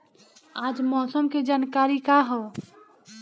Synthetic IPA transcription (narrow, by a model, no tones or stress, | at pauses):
ad͡ʒmɔːsəmked͡ʒaːnkaɾikaɦɔ